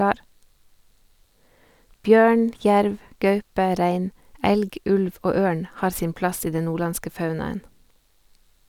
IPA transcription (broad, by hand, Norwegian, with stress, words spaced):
ˈbjøːɳ ˈçæɾʋ ˈɡɑʉpə ˈɾæɪn ˈɛlɡ ˈʉlʋ ˈoː ˈøːɳ ˈhɑːɾ ˈsiːn ˈplɑs ˈiː ˈdɛn ˈnuːˌɭɑnskə ˈfɑʉnɑən